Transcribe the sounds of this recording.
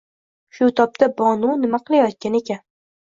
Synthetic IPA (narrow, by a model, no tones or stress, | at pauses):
ʃʊt̪ʰɒp̚t̪ʰabɒnunɪmaqʰɨlˠajɒt̪̚kʲane̞kʲan